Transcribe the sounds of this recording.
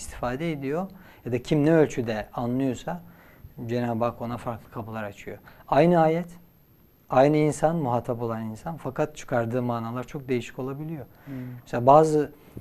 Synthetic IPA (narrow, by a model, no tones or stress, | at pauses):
ist̪ʰi̥faːd̪ɛed̪ijo̞ | jad̪acʰimnɛølʲt͡ʃʰyd̪ɛanlˠɯjo̞sa | d͡ʒe̞naːbako̞nafaɾklˠɯkʰabulˠaɾat͡ʃʰɯjo̞̰ajnɯaːjɛt̪ | ajnɯinsanmuɦat̪ʰapo̞lˠaninsanfakat̪̚t͡ʃʰɯ̥kʰaɾd̪ɯːmaːnaːlˠaɾt͡ʃʰo̞k̚d̪ejiʃi̥co̞lˠabilʲijo̞ | mmɛselʲaːbaːzɯ